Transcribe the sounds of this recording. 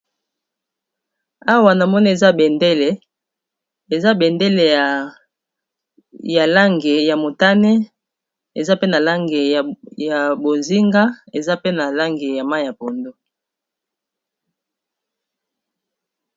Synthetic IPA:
a˦wa˨na˨mɔ˦ni˦e˨za˦be˨nde˦le˨ | e˨za˦bɛ˨nde˦le˨ | ja˨la˦ŋɡe˨ja˨mo˨ta˦ne˦ | e˨za˦pe˦na˨la˦ŋɡe˨ja˨bo˨nzi˦ŋɡa˦e˨za˦pe˦na˨la˦ŋɡe˨ja˨ma˦˨ja˨po˨ndo˦

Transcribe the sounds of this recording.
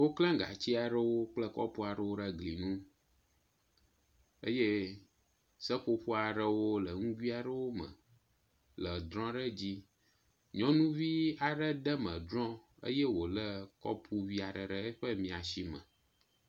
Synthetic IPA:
wo˦klɛ̃˦ɡa̰˨t͡ɕi˦a˨ɖə˦wo˦k͡plə˦kɔ̰˦pu˦a˨ɖə˦wo˦ɖə˦ɡli˨nũ˦ | ə˦je˦ | sə˦ɸo˦ɸu˦a˨ɖə˦wo˦lə˨ŋũ˦vi˦a˨ɖə˦wo˦mə̰̃˨ | lə˨d̪ɾɔ̃˦ɖə˦d͡ʑi˦ | ɲɔ̃˦nũ˦vi˦a˨ɖə˦ɖə˦mə̰̃˨d̪ɾɔ̃˦ | ə̰˦je˦wo˨lə˦kɔ̰˦pʰu˦vi˦a˨ɖə˨ɖə˦ɛ˦ɸə˦mĩ˨a˨si˦mə̰̃˨

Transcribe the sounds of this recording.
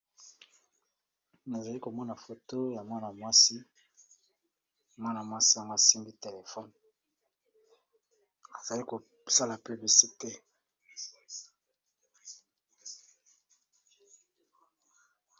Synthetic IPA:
na˨za˨li˦ko˨mɔ˦na˨fo˨to˦ja˨mwa˦na˨mwa˦si˦ | mwa˦na˨mwa˦si˦ja˦ŋɡo˦a˨si˦ŋɡi˦te˨le˨fɔ˦n | a˨za˨li˦ko˨ | sa˦la˨pi˨bi˨si˦te˦

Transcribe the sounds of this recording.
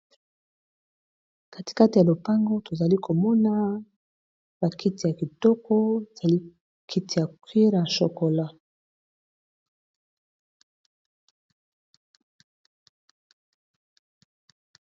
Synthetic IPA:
ka˦ti̥˨ka˦ti˨ja˨lo˨pa˦ŋɡo˦to˨za˨li˦kʰo˨mɔ˦na˦ | ba˨kʰi˦ti˨ja˨ki˨tɔ˦kɔ˦e˨z̥a˨li˦ | kʰi˦ti˨ja˨kwi˦ɾa˨ʃo˨ko˨la˦

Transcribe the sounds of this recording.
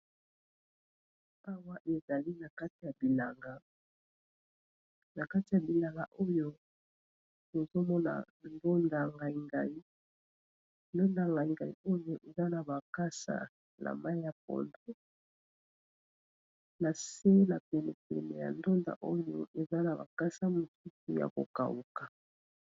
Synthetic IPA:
a˦wa˦ʔe˨za˨li˦na˨ka˦ti˨ja˨bi˨la˨ŋɡa˨ | na˨ka˦ti˨ja˨bi˨la˨ŋɡa˨ʔo˦jo˦ | o˨zo˦mɔ˦na̰˨ | ndo˦nda˨ŋɡa˨i˨˦ŋɡa˨i˦ | ndo˦nda˨ŋɡa˨i˨ŋɡa˨ḭ˨o˦jo˦˨ʔe˨za˦na˨ba˨ka˦sa̰˨ | nʔa̰˨ma˦i˦ja˨p̚ɔ̰˨ndo˦ | na˨se˦na˨pɛ˨ne˨pɛ̰˨le˨ja̰˨ndo˦nda̰˨ʔo˦jo˦ʔe˨za˦na˨ba̰˨ka˦sa˦mo˨tu˦tu˨ja̰˨ko̰˨ka˨u˨ka˨

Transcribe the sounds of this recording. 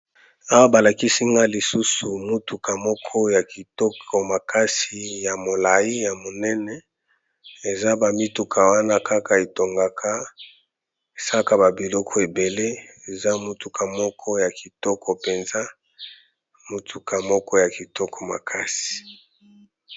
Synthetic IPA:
a˦wa˦ba˨la˨ki˦si˦ŋɡa˦li˨su˦su˨mu˦tu˨ka˨mɔ˦kʰɔ˦ja˨ki˨tɔ˦kʰɔ˨ma˨ka˦si˨ja˨mo˨la˨ji˦ja˨mo˨nɛ˦nɛ˦ | e˨za˦ba˨mi˦tu˨kʰa˨wa˦na˦ka˦ka˨e˨to˨ŋɡa˨kʰa˦ | e˨sa˦ka˦ba˨bi˨lɔ˦kʰɔ˦e˨be˨le˦e˨za˦mu˦tu˨kʰa˨mɔ˦kʰɔ˦ja˨ki˨tɔ˦kɔ˨pe˨nza˦ | mu˨tʰu˨ka˨mɔ˦kɔ˦ja˨ki˨tɔ˦kʰɔ˨ma̰˨kʰa˦si̥˨

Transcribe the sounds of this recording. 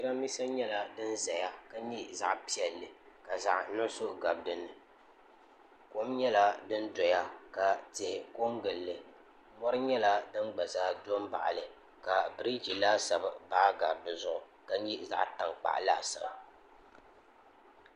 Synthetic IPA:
i˦ɾa˦mi˦sa˦ɲɛ˦la˦dɨ˦n˦za˨ja˦ka˦ɲi˦za̰˦ʔpi˦ɛ˨lːɨ˨ka˨za̰˨ʔnɔ˦so˦ʔɡa˨b̚dɨ˦nɨ˨ | ko˦mɲɛ˦la˦dɨ˦n˦dɔ˨ja˦ka˨tɪ˨hɪ˨ko˦ŋɡɨ˨lːɨ˨ | mɔ˦ɾɨ˦ɲɛ˦la˦dɨ˦nɡ͡ba˨zaː˦do˦m˦ba̰˨ʔlɨ˨ | ka˨bɨ˦ɾi˦d͡ʒi˨laː˦sa˨bɨ˨baː˦ɡa˨b̚dɨ˨zʊ˦ʔʊ˨ | ka˦ɲi˦za̰˦ʔta˨ŋk͡pa̰˨ʔla̰ː˦sa̰˨b

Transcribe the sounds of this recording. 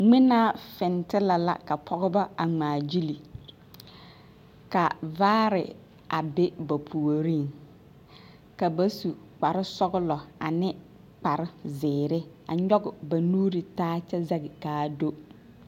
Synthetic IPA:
ŋ͡mɪ˦naː˦fɪ˨n˨tɪ˦la˨la̰˨ka˨pʰɔ˦ɡʊ˦ba˦a˨ŋ͡maː˨d͡ʒi˦li˨ | ka˨vaː˦ɾɪ̰˨ | a̰˨bɪ˦ba˨pʰu˨o˨ɾi˦˨ŋ | ka˨ba˦su˨k͡pa˨ɾɪ˦sɔ˦ɡʊ˦lɔ˨a˨nɪ˦ | k͡pa˨ɾɪ˦zɪː˨ɾɪ˦ | a˨ɲɔ˦ɡʊ˨ba˨nuː˦ɾi˨taː˦t͡ʃɛ˦za˦ɡɪ˨kaː˨do˦

